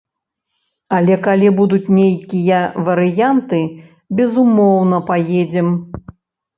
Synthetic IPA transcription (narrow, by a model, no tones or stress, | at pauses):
ɐlʲɛkalʲibud̪ut͡sʲnʲejkʲijɐvɐɾɨjant̪ɨ | bʲɛzumɔwnɐpajed͡zʲɛm